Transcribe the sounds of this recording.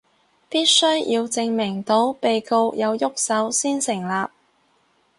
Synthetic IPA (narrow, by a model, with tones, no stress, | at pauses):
piː˥t̚sɵ˥ɥjiː˧wt͡sɪ˧ŋmɪ˨˩ŋt̪o˨˥wpe˨jko˧wjɐ˨˧wjʊ˥k̚sɐ˨˥wsiː˥nsɪ˨˩ŋlaː˨p̚